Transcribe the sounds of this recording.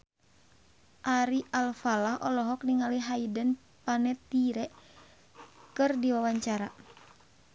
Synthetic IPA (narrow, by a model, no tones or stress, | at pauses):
ʔaɾiʔalfalahɔlɔɦɔk̚niŋaliɦaidən | panɛt̪iɾɛʔ | kɨrdiwawaɲt͡ʃaɾa